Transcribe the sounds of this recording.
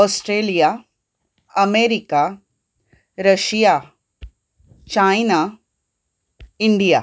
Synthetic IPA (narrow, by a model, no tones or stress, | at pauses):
ɔːsʈɾeːlija | ɐmeːɾika | ɾɐʃija | t͡ʃaːjna | ɪɳɖijaː